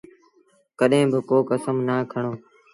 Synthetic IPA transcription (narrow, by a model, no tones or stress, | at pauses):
kəɗɦẽːbɪkoːkəsəmnaːkʰəɳ̃oː